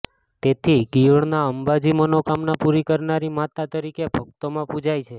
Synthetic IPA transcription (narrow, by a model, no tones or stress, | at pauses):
t̪et̪ʰiɡiəɭnaəmbad͡ʒimənokamnapuɾikəɾnaɾimat̪at̪əɾikebʱək̚t̪omãpud͡ʒajt͡ʃʰe